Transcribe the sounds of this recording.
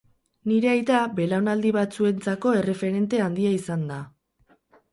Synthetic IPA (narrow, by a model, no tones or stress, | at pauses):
niɾe̞ajt̪abe̞lawnald̪iβat͡sue̞nt͡sako̞e̞re̞fe̞ɾe̞nt̪e̞and̪iaisand̪a